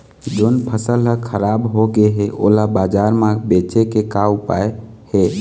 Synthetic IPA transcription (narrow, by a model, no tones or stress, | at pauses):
d͡ʒonpʰəsəlɦəkʰəɾabɦoɡeɦeʔo̰labad͡ʒaɾmãbet͡ʃekekaupa̰ehe